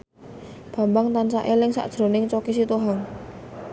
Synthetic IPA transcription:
b̥a̤mbaŋt̪ant͡ʃa̰ʔelɪŋsa̰ʔd̥ʒ̥ɾo̤nɪŋt͡ʃɔkisit̪uɦaŋ

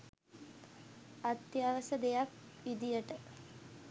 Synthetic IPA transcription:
at̪jaʋəsəd̪ejakʋid̪ijəʈə

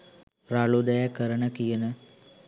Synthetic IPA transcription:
ɾaɭud̪ɐjakəɾəɳəkijənə

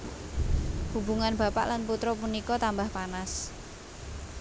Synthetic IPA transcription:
hubuŋanba̤pa̰ʔlanput̪ɾɔpunikɔt̪ambahpanas

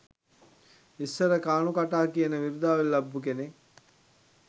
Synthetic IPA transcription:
isːəɾəkaːnukaʈaːkijənəʋiɾud̪aːʋelːɐbːuk̬ene

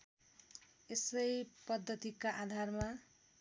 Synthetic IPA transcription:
esʌjpʌd̪ʱːʌt̪ikaʔad̪ʱarma

